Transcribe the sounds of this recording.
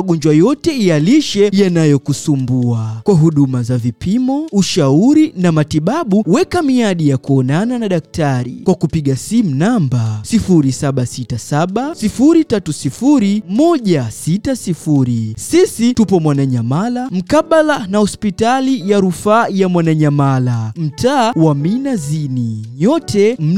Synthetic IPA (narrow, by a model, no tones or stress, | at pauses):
ɠɔnd͡ʒwajɔtɛialiʃɛjanajɔkusumbuakwaɦuɗumazavipʰimɔuʃauɾinamatiɓaɓuwɛkamiaɗijakuɔnananaɗak̚taɾḭkwakupiɠasimunambasifuɾisaɓasitasaɓasifuɾitatusifuɾimɔʄasitasifuɾisisitupɔmwanaɲamalam̩kaɓalanahɔspitalijaɾufaːjamwanaɲamalam̩tʰaːwaminaziniɲɔtɛm̩